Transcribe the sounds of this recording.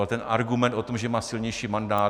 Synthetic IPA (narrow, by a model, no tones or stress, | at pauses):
alt̪ɛnʔaɾɡumɛnt̪ʔo̞t̪omʒɛmaːsɪlɲɛjʃiːmandaː